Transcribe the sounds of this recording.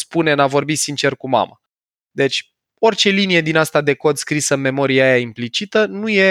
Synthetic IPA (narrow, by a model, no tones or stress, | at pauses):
spune̞navo̞rbit̪sint͡ʃe̞rkuma̰mə | d̪e̞t͡ʃʲ | o̞rt͡ʃe̞linije̞d̪inast̪ad̪e̞ko̞d̪skɾisəɨnme̞mo̞ɾieajaimplit͡ʃit̪ənuje̞